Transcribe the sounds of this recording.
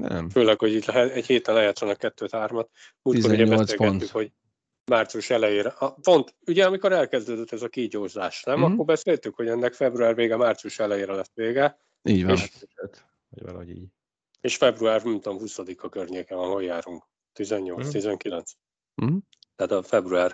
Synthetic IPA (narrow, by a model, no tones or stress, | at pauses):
nɛ̰mføːlɛkho̞ɟiːɟlɛɦɛɛɟheːt̪ɛnɛjaːt̪sronɒkːɛt̪ːøːt̪haːrmɒt̪ | muːt̪iouɟɛbɛslseːlpɡɛtnːykho̞ɟ | maːrt̪sijuʃɛlɛjeːɾɛɒpo̞nt̪uɟɛɒmiko̞ɾɛlkɛzd̪øːd̪øt̪ːɛzɒkiɟoːʒzaːʃnɛmɒkːorbɛseːlt̪ykho̞ɟɛnːɛkfɛbruaːrveːɡɛmaːrt̪sijuʃɛlɛjeːɾɛlɛsʋeːɡɛ | iːeːʃ | eːʃfɛbruaːrmɛnt̪omhusɒd̪ikɒkørɲeːkɛɒnɦo̞jːaːɾuŋk | t̪izɛɲːo̞lt̪st̪izɛŋkilɛnt̪s | t̪aːt̪ɒfɛbruaːr